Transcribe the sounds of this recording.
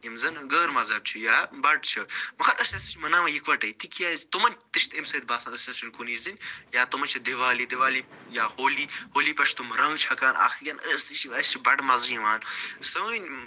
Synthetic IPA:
imzɐnɡəːɾmɐzɐːb̚t͡ʃʰujaːbɐɖt͡ʃʰɨmɐxɐɾʔɐsɐsit͡ʃʰmɐnaːmɐjikʋɐʈɐjt̪ikʰjaːzt̪umɐnʲt̪iʃt̪emsɐːd̪̚baːsɐnɐsɐsinkuniːzɨnʲjaːt̪umɐnt͡ʃʰɐd̪iʋaːlid̪iʋaːlijaːhoːlihoːlipɐʃt̪umɾɐ̃ŋt͡ʃʰɐkaːnʔa̰ːxiɡʲɐnəsiʃiʋaːst͡ʃʰibɐɖmɐzjiʋaːnsɐwənʲ

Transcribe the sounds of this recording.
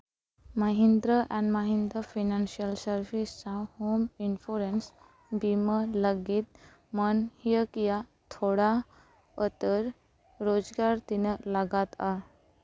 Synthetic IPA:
maɦind̪ɾəʔɛ̃ɳɖmaɦind̪ɾəfinanɕiəlsəɾʋist͡sahominfuɾens | bimələɡiːt̪̚ | mənhijəkjat̪ʰoɽa | ət̪əɾ | ɾod͡zɡaɾt̪inəlaɡat̪a

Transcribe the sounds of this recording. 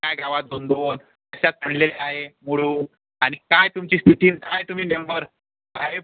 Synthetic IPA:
kajɡaʋat̪̚d̪ʱond̪on | əɕat͡s̪pəɳleleaɦemuɽuː | añikajt̪umt͡ɕiːst̪ʰit̪iːnkajt̪um̤iːnembəɾ | bʱae

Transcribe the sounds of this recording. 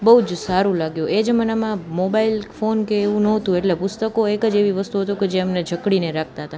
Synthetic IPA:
bəɦud͡ʒsaɾũlaɡjũʔed͡ʒemənamãmobailfonkeːʋũnəɦət̪ũeʈlepʊst̪əkoekəd͡ʒeʋiʋəst̪uɦət̪ũked͡ʒeəmned͡ʒʱəkɽineɾak̚ʰt̪aɦət̪a

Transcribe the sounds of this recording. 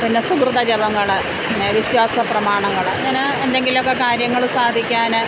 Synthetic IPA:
pinːesukrɨd̪ɐd͡ʑɐbɐŋːɐɭɨ | inːeʋiɕwaːsɐprɐmaːɳɐŋːɐɭɲɐnɐ | end̪e̞ŋɡilmokːe̞kaːɾjɐŋːɐɭsaːd̪ʱikʲːaːnɨ

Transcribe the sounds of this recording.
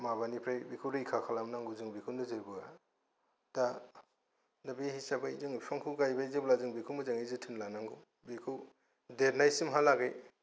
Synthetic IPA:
maβanipʰɾajbikʰuwɾɯikʰakʰalamnaŋɡuzɯŋbikʰunɯzɯɾbɯa | d̥a | dabihisabaizɯŋpʰaŋkʰɯuɡajbajzɯblazɯŋbikʰuwmɯzaŋizɯtʰɯnlanaŋɡu | bikʰɯw | deɾnajsimɦalaɡej

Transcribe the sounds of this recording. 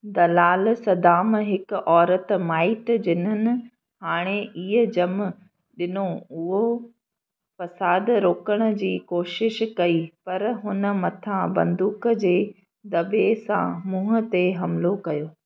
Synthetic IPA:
d̪ɐlaːlsɐd̪aːmɦɪk̆ʔɔːɾət̪maːɪʈd͡ʑɪnənɪ̆ | haːɽ̃eʔiːɦəd͡ʑɐm | ɗɪnoʊɦo | fɐsaːd̪ɾoːkəɽ̃ə̆d͡ʑiːkoːʃɪʃkɐipɐɾɦʊnə̆mɐt̪ʰãbɐ̰̃nd̪uːkd͡ʑeː | d̪ɐbesã̰mũːɦʊ̆t̪eɦɐmlokɐjoː

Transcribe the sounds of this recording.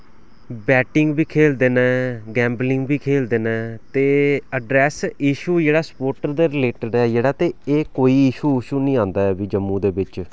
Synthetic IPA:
bɛːʈɪŋɡbiːkʰeːld̪eːnɛːɡɛ̃ːmblɪŋɡbiːkʰeːld̪eːnɛ̃ːt̪eːəɖɾɛːsɪʃuːd͡ʒeːɽaːsə̥poːɾʈəɾd̪eːɾɪleːʈəɖɛːd͡ʒeːɽaːt̪eːeːkoːiːɪʃuːɪʃuːnĩːãːnd̪aːɛːbiːd͡ʒəmːũːd̪eːbɪt͡ʃ

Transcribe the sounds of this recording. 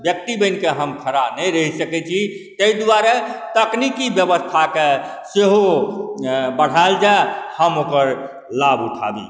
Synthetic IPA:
bjək̚t̪ibəɪnkeɦəmkʰəɾanəjɾəɦisəkɛt͡ʃʰi | t̪əid̪uwaɾet̪əknikibjəbəst̪ʰake | seɦo | bəɽ̤aeld͡ʒaehəmokəɾ | labuʈʰa̰bḭ

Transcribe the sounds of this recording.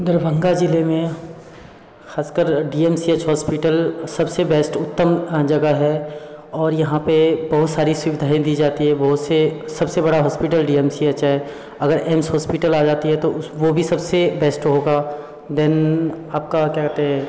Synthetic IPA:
d̪əɾbʱə̃ŋɡad͡ʒɪlemẽ | xaːskəɾɖiːeːmsiet͡ʃɦɔːspɪʈəlsɐbsebeːsʈʊt̪ːəmd͡ʒɐɡəɦɛɔːɾjɐɦãpebɐɦʊt̪saːɾiswɪʋɪd̪ʱaːẽd̪iːd͡ʒaːt̪iɦɛbɐɦʊt̪sesɐbsebɐɽaɦɔːspɪʈəlɖiːɛːmsiət͡ʃɦɛ | ɐɡəɾʔeːmsɦɔːspɪʈəlaːd͡ʒaːt̪iɦɛt̪oʋobʱisɐbsebeːsʈɦoːɡa | d̪ɛnaːp̚kakjaːkɛɾt̪eɦɛ̃

